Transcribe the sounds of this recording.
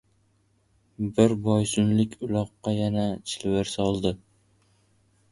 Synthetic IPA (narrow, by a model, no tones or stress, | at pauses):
bɪɾbɒjsʊnlɪkʲʰʊlˠɒqːɑjanat͡ʃʰɪlwɪɾsɒlˠd̪ɪ